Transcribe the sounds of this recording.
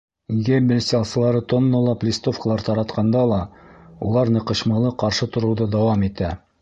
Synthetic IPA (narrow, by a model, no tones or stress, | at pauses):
ɡæbɘlʲsʲt̪ʲɑlˠsɤ̆lˠɑɾɤt̪onːŏlˠɑplʲist̪o̞fkəlˠɑɾt̪ɑɾɑt̪qɑnd̪ɑlˠɑṵlˠɑɾnɤ̆qɤ̆ɕmɑlˠɤqɑɾʃɤt̪ŏɾɤ̆wðɤd̪ɑwɑmit̪æ